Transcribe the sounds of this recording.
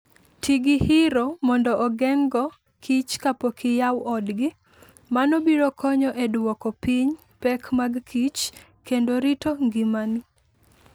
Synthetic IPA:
tʰiɡihɪɾomɔndɔʔːɡɛŋɡɔ | kʰit͡ʃkapokʰɪjawɔdɡɪ | manɔbiɾokɔɲɔʔedwɔkɔpiɲ | pɛkmaɡkʰit͡ʃ | kendoɾitoŋɡimani

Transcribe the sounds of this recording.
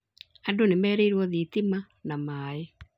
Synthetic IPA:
adonemɛːɾeiɾwɔðit̪ima | namaːe

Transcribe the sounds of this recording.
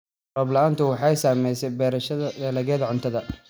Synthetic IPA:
rɔːblɐaːnt̪ʰʊwɑħɑjsaːmɛjsɛbɛːɾɐʃɐðɐbɛːlɐɣɛːðɐʕʊnt̪ʰɐðɐ

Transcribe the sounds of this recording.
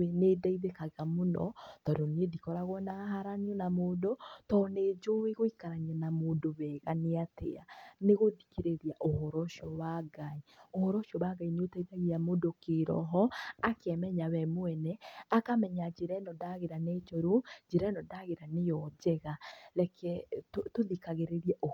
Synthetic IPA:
enedaiðekaɣamonɔ̰tɔɾonedikɔɾaɣwɔnaɦaɾaniɔnamoːdotɔːned͡ʒoweɣoikaɾaɲianamoːndoβɛɣaneatḛaneɣodikeɾeɾiaʔohɔɾɔʃɔwaɡaiohɔɾɔʃiɔwaɡaineotaiðaɣiamodokeɾɔ̰ɦɔakɛmɛɲawɛmoɛnɛakamɛɲad͡ʒeɾɛnɔdaɣeɾanet͡ʃoɾod͡ʒeɾɛnɔdaɣeɾanejɔd͡ʒɛɣaɾɛkʰɛtotoðikaɣeɾeɾiɛʔo

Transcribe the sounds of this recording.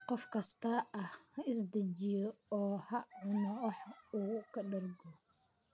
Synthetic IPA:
qɔfkʰɐst̪ʰɐɐhhɐɪsd̪ɐt͡ʃɪjɔɔːhɐʕʊnɔħuːkʰɐɖɐrɡɔ

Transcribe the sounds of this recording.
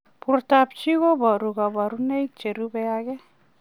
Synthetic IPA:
puɾtap̚t͡ʃiɡobaɾuɡabaɾunejk̚t͡ʃeɾubeaɡe

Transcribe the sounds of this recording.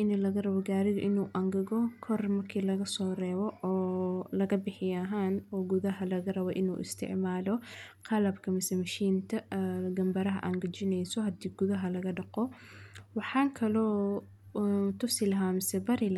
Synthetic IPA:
ʔɪnlɐɣɐrɐβɔɡaːɾɪɣɐʔɪnuːʔɐŋɡɐɣɔkʰɔrmɐrkʰiːlɐɣɐsɔːrɛːβɔːlɐɣɐbɪħɪjɦaːnɔːɡʊðɐɦɐlɐɣɐrɐβɔʔɪnṵːʔɪ̰st̪ʰɪ̰ʕmaːlɔqʰɑlɐbkʰɐmɪsɛmɐʃiːnt̪ʰɐɡɐmbɐɾɐɦɐʔɐŋɡɐt͡ʃɪnɛjsɔɦɐd̪iːɡʊðɐɦɐlɐɣɐɖɑqɔ | wɑħɑːŋkʰɐlɔː | t̪ʰʊsɪlɐɦaːmɪsɛbɐɾɪl

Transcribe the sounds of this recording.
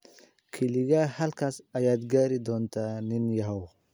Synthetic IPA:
kʰɪlɪɣɐhɐlkʰaːsɐjaːd̪ɡaːɾɪd̪ɔːnt̪ʰaːnɪnjɐɦɔw

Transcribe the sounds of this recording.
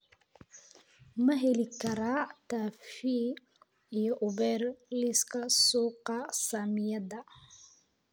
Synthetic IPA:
mɐɦɛlɪkʰɐɾaːt̪ʰaːfi | ijɔʔʊβɛːrlɪskʰɐsuːqɑsamɪjɐd̪ɐ

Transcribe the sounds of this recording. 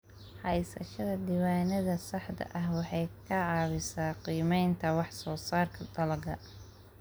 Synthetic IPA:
ħɑjsɐ̰ʃɐðɐd̪iːwaːnɐðɐsɑħd̪ɐ̰ʔɐhwɑħɑjkʰɐʕɑːβɪsaːqiːmɛjnt̪ʰɐwɑħsɔːsaːrkʰɐd̪ɐlɐɡɐ

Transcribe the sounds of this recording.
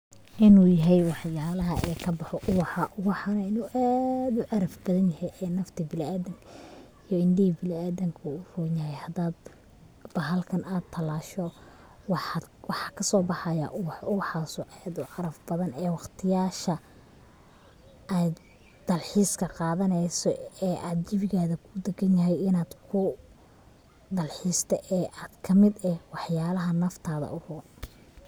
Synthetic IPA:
ʔɪnuːjɐɦɛjwɑħjaːlɐɦɐʔɛːkʰɐbɑħɔʔʊwɑħɑʔʊwɑħɑnɐɪnuːʔaːd̪ʊʕɑɾɐfbɐðɐnjɐhɛjʔɛːnɐft̪ʰɪbɪlaːðɪŋkʰ | ijɔɪnɖɪibɪlaːdɐŋkʰʊʊruːɲɐɦɛjhɐd̪aːd̪ | b̥ɐɦɐlkʰɐnʔaːd̪̚t̪ʰːɐlaːʃɔ | wɑħwɑħɑːkʰɐsɔːbɑħɑjɐ̰ʔʊwħɑsʊʕɛd̪ʊʕɑɾɐfbɐðɐnɛːwɑqt̪ʰɪjaːʃɐ | ɛj | d̪̥ɐlħiːskʰɐqɑːðɐnɛjsɔɛːʔaːd̪̚d͡ʒɪβɪɣaːðɐkʰʊd̪ɐɡɐnjɐɦɛjɪnaːd̪kʰʊ | d̪ɐlħiːst̪ʰɛʔɛːʔaːd̪kʰɐmɪd̪ɛwɑħjaːlɐɦɐnɐft̪ʰaːðɐ̰ʔʊruːn

